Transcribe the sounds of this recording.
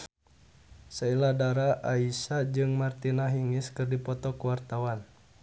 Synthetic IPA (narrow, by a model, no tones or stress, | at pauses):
sailadaɾaʔaisad͡ʒɨŋmart̪inaɦiŋiskɨrdipɔt̪ɔkuwart̪awan